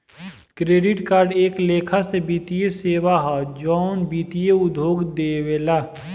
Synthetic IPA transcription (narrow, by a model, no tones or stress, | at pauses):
kɾeːɖɪʈkaːɾɖeːkleːkʰasebiːt̪ijeseːwaɦad͡ʒɔːnbiːt̪ijeʊd̪ʱoːɡd̪eːweːla